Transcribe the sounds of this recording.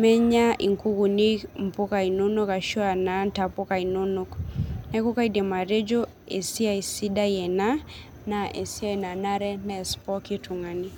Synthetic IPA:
mɛ˦ɲa˦ʔḭ˨ŋku˦ɣu˨ni˦km̩˨pu˦ka˨i˨nu˦nu˦ka˨ʃu˦a˨nanta˨pu˦ka˨i˨nu˦nu˦knɛ˦ku˦ka˦idɛ˨ma˨ɾe˦d͡ʒɔ˦ | ɛ˨si˦a˨i˨si˦da˦jɛ˨na˦ | naʔɛ˨si˦a˦i˨na˨na˦ɾɛ˦nɛ˨spɔ˦ki˦tʰu˨ŋa˨ni˦

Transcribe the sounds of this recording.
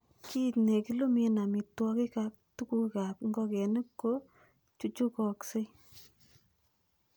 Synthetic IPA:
kʰi˦tne˨ki˦lo˦me˦na˨mi˨twɔ˧kɪ˦ka˦k̚tu˦ku˦ka˨kŋɡɔ˦kɛ˨nɪ˦kːo˦ | t͡ʃu˨t͡ʃu˦kɔ˨kse˦

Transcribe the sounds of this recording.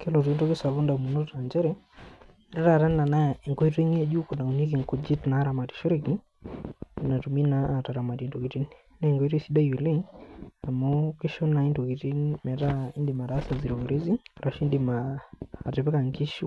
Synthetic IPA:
kɛ˦lɔ˨t̬u˨i˦ntɔ˦kɪ˦sa˨βu˦nda˨mu˨nɔ˦ta˨ɲd͡ʒɛ˦ɾɛ˦˨ | ɾɛ˦ɾa˦˨ɾa˦nna˨na˦˨ŋɡɔ˦i˦twe˦ŋi˦a˦d͡ʒu˦ku˨na˨u˨ni˦k̬i˨ŋkɔ˦d͡ʒi˦tna˨˦ɾa˨ma˨ti̥˨ʃɔ˦ɾe˦ki˦˨ | na˨tu˨mi˦naː˦˨ta˨ɾa˨ma˨ti˨nto˨ki˨ti˦n | nɛ˦˨ŋɡo˦i˦tsi˦da˦ju˨le˦ŋa˨mɔ˦kɪ˦ʃɔ˦na˨i˦ndo˨ki˨ti˦nmɛ˨ta˦i˦ndɪ˨ma˨ɾa˦sa˨zi˨ɾo˨ku˨ɾe˦zi˦ɾa˨ʃi˦ndi˨maː˨ | tɪ˨pɛ˦ka˨ŋki˦ʃu˦

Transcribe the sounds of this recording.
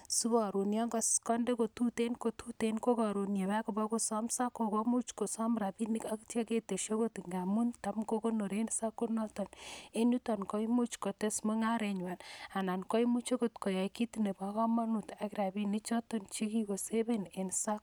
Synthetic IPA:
su˦bɔ˨ɾo˨njɔ˦ŋɡɔ˨skɔ˦nde˦ko˨tu˦te˦nko˨tutenko˦kɔ˨ɾo˨nje˨βa˦ko˨ba˦ko˦sɔ˦msa˦ko˨kɔ˦mu˦t͡ʃko˨sɔ˦mɾa˨bi˦ni˦ka˦kta˦ke˦te˨ʃo˦ko˦ti˨ŋɡa˨mu˦nta˦mko˦ko˦no˨ɾe˦nsa˦kːo˦nɔ˦tɔ˨ne˦nu˦tɔ˨nkɔ˦imu˦t͡ʃkɔ˨te˦smo˦ŋa˦ɾe˨ɲwa˨na˨na˨nkɔ˦jmu˦t͡ʃe˦kotkɔ˨ja˨jki˦tine˨ba˨kɔ˦ma˦nu˨ta˨kiɾa˨bi˦ni˦t͡ʃɔ˦to˦nt͡ʃi˦ki˦ko˨se˦be˦ne˨nsa˦k̚

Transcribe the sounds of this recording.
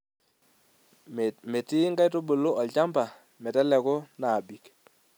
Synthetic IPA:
mɛ˨tɪ˦ŋɡa˦jto˦bo˨lo˦ʔɔ˨lt͡ʃa˦mba˨ | mɛ˨tɛ˦lɛ˨kʊ˦na˨bi˨k

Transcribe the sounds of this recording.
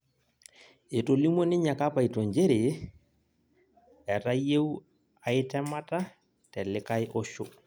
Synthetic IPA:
e˨to˨li˦mo˦nɪ˦ɲa˨ka˦pa˨i˨tɔ˨ɲd͡ʒe˦ɾe˨ | ɛ˨ta˦je˦w | a˨ɪ˦tɛ˦ma˦ta˦ | tɛ˨lɪ˦ka˦jʔɔ˦ʃo˦

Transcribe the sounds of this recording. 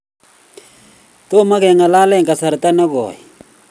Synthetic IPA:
t̪o˦ma˦ɣɛ˨ŋa˨la˦lɛ˦ŋka˨sa˨ɾt̪a˦na˦ɣɔ̰˨

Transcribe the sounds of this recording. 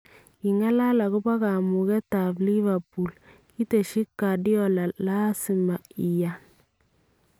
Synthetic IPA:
ki˨ŋa˦la˦la˨ku˦ba˦ka˨mu˨ɣɛ˦ta˨bli˦va˨pu˨lki˦te˨ʃi˦kːa˨di˦ɔ˨la˨la˦si˨ma˨i˨ja˨n

